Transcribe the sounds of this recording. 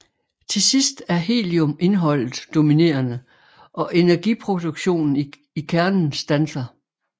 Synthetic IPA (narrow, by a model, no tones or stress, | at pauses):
t͡sʰe̝sisd̥æɐɦe̝̰ːliome̝nɦɒ̽l̰ð̩ˠd̥o̝mine̝̰ːɐnə | ʔɒ̽ʔe̝næɐɡ̥ipʰʁo̝d̥uɡ̥ɕo̝̰ːnn̩ | ikʰæɐnn̩sd̥ænsɐ